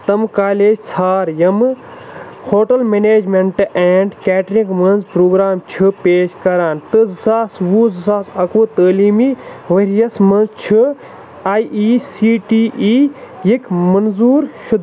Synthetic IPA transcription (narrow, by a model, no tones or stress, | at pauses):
t̪ɐmkaːleːd͡ʒsʰaːɾjɐm | hoːʈɐlmeːneːd͡ʒmeɳʈʔɛːɳɖkɛːʈɾikmɐnzpɾoːɡɾaːmt͡ʃʰɨpeːʃkɐɾaːnt̪ɨzɨsaːsʋuːzɨsaːsɐkuːt̪əːliːmiːʋɐɾijɐsmɐnzt͡ʃʰɨ | aːjiːsiːʈiːʔːjikmɐnzuːɾʃud̪